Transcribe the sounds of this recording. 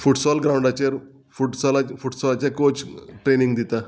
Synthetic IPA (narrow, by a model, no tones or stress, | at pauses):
fuʈsɔlɡɾaw̃ɳɖat͡ɕaɾ | fuʈsɔlafuʈsɔlat͡ɕjakot͡sʈɾeniŋɡd̪it̪a